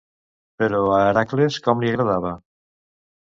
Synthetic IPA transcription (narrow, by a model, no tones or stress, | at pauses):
peɾoaɾakleskɔmliaɣɾaðaβa